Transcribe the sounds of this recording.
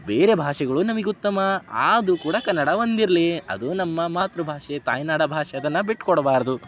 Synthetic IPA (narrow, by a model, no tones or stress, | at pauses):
beːɾe̞bʱaːʂɛɡɐɭunɐmɐɡeut̪ːɐmɐaːd̪ukuːɽɐkɐnːɐɽɐond̪iɾɐliɐ̰d̪unɐmːɐmaːt̪ɾubʱaːʂet̪a̰ːjnaːɽɐbʱaːʂɛɐd̪ɐnːɐbiʈkɔɽɐbaːɾɐd̪u